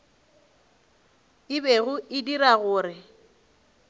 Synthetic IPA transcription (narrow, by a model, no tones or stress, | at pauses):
ɪbeɣʊʔɪdiraɣʊːrɪ